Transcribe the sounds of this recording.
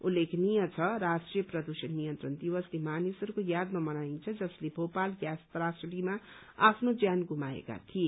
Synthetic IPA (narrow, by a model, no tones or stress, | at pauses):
ulːekʰnijʌt͡sʰʌɾasʈrijʌprʌd̪usʌnːijʌnt̪rʌnd̪ibʌslemanisʌɾukojad̪mamʌnaint͡sʰʌd͡zʌslebʱopalɡjast̪ɾasɽima | a̰pʰnod͡zjanɡumaḛka̰t̪ʰije